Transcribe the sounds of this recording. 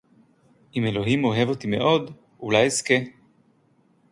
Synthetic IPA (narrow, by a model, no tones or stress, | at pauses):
ʔime̞lo̞ɦimo̞ɦe̞vot̪ime̞̰ʔo̞d̪ | ulajeske